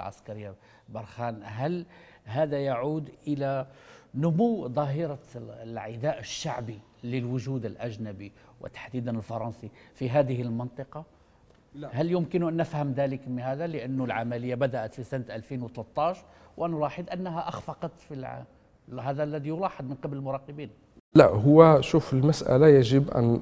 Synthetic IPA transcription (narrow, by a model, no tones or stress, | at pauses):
ʕa̰skæɾəjːa | bɑɾˤxænɦæl | ɦæd̪æjaʕuːd̪ʔəlænʊmʊwːd̪ˤɑɦəɾɑlʕɪd̪æʔəʃːaʕbi | ləlwʊʒuːd̪əlʔæʒnæbi | wə̰t̪ḁħd̪id̪anəlfɑɾˤɑnsˤifiɦæd̪əhəlmənt̪ˤɨqɑ | hæljʊmkɪnuʔænːəfhəmd̪æləkmhæd̪æləʔənːulʕa̰mæləjːabæd̪æʔət̪fisant̪ʔælfinwət̪lət̪ˤːɑʃwʔənʊlɑːħəd̪ˤʔænːɦæʔɑxfɑqɑt̪fil | ɦæd̪ælːæd̪ijʊlɑħəd̪ˤmənqɑbləlmʊɾˤɑqəbiːn | laɦʊwːæʃuːfəlmasʔæ̰lajaʒəbʔæ̰n